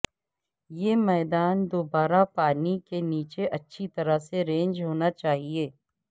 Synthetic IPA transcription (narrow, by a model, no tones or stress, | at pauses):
jeːmɛːd̪aːnd̪oːbaːɾapaːnikeniːt͡ʃeʔɐtːʃʰit̪ɐɾəseɾẽːnd͡ʒɦoːnat͡ʃaːɦieː